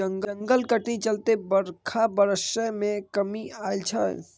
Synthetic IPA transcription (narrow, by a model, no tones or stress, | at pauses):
əŋɡəŋɡəlkəʈnit͡ʃəlt̪ebəɾkʰabəɾəsəmẽkəmiailt͡ʃʰə̰